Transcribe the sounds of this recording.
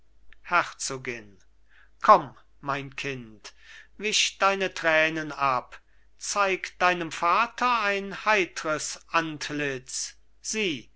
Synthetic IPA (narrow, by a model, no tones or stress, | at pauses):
hɛʁt͡soːɡɪn | kʰɔm | maɪnkʰɪntvɪʃd̥aɪnətʁ̥ɛːnənap | t͡saɪkd̥aɪnəmfaːtʰɐaɪnhaɪtəʁəsʔantʰlɪt͡s | z̥iː